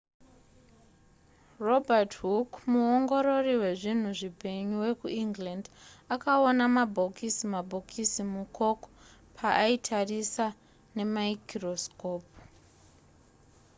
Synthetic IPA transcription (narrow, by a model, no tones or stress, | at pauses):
ro̞bʱatɦukmuo̞ŋɡo̞ɾo̞riwe̞ʐin̤uʐipe̞ɲuwe̞kuiŋɡlandakaonamabʱo̞kisimabʱo̞kʰisimuko̞ko̥ | pʰaʔaitʰarisa | ne̞maikroskoːp